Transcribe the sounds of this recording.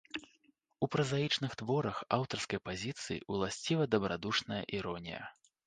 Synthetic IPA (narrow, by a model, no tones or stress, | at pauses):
upɾɐzajit͡ʂnɨxt̪vɔɾɐxawt̪ɐrskɐjpazʲit̪sɨjḭulˠasʲt͡sʲivɐd̪ɐbɾad̪uʂnɐjɐ̰ʔiɾɔnʲḭjɐ̰